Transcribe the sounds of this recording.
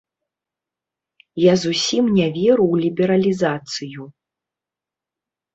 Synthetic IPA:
jazusʲimnʲɛvʲɛɾuwlʲibʲɛɾɐlʲizat̪sɨju

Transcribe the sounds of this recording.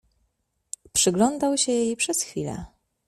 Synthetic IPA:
pʂɘɡlɔnd̪awɕɛjejpʂɛsxfʲilɛ̰

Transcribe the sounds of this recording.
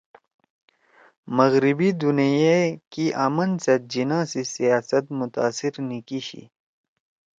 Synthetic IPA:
mɐɣɾibid̪unijekiʔɐmɐnsɐd͡ʑinãːsisijaːsɐt̪̚mʊt̪a̰ːsiɾnikiɕḭ

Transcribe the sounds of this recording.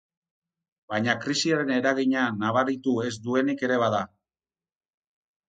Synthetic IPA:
bajɲakɾisiaɾene̞ɾaɣ̞iɲanaβ̞aɾit̪ue̞zd̪ue̞nike̞ɾe̞βaða

